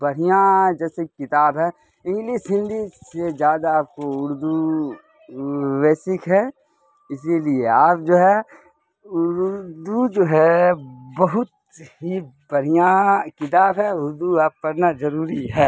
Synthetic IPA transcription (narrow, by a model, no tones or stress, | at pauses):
bɐɽ̤ijãd͡ʒɛːsekɪt̪aːbɦɛ | ɪ̃ŋɡliʃɦɪ̃nd̪ʱised͡ʒjaːd̪aaːp̚koʊɾd̪u | ʋɛːsɪkɦɛː | ɪs̬ilieaːp̚d͡ʒoːɦɛ | ʊɾd̪ud͡ʒoːɦɛbɐɦʊt̪̚ | ɦibɐɽ̤ijãkɪt̪̬aːbɦɛʊɾd̪uaːp̚kɐɾnazɐɾuːɾiɦɛː